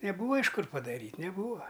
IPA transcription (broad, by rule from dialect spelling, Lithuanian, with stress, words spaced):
nʲɛˈbuːʋɐ ɪʃ ˈkʊr pɐdɐˈrʲiːtʲ nʲɛˈbuːʋɐ